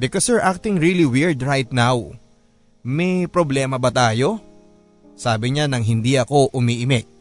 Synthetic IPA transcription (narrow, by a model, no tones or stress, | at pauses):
bɪkosɛɹʔak̚t̪ɪŋɹiliwɪɹd̪ɹajt̪̚naw | mɛjpɾoblɛːmɐbɐt̪aːjo̞ | saːbɪɲanɐŋɦɪnd̪iʔɐko̞ʔʊmiːʔɪmɛk̪̚